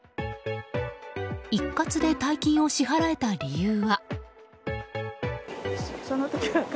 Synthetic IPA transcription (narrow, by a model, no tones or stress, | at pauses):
ikːat͡sɨd̪e̞t̪aikʲĩɰ̃o̞ɕiɦaɾae̞t̪aɾʲijɯːβa | sonot̪okʲiɡak